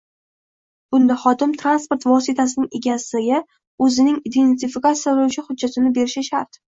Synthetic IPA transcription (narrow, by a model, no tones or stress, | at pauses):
b̥ʊnd̪aχɒd̪ɪmt̪ʰɾanspoɾt̪vɒsɪt̪ʰas̬ɪnɪŋe̞ɡʲasɪɡʲa | ɵzɪnɪŋid̪ent̪ɪfikat̪sjablwt͡ʃʰɪhʊd̪̚d͡ʒːat̪ʰɪnɪbe̞ɾɪʃaʃaɾt̪